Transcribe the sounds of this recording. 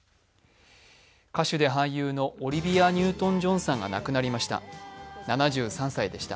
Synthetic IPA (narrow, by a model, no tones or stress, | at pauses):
kaɕɨd̪e̞ɦãj̃jɯːno̞ʔoɾʲibʲijaɲ̟ʲɨːt̪õ̞ɲ̟d͡ʑõ̞ɰ̃sãŋɡa̰na̰kɯ̟naɾʲimaɕi̥t̪a̰nanaʑɨːsãsaid̪e̞ɕi̥t̪a̰